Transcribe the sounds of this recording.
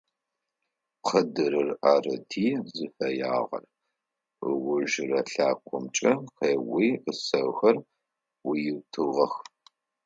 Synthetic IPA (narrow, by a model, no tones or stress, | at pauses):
qʰɐdɨɾɨraːrɐtʰiːzɨfɐja̰ːʁɐ̰r | əwʊʒɪrɐɬaːkʷʰʼɔmt͡ʃʼɐqʰeːwiːʔəsɐwxɐr | wijɪwtʰɨʁɐx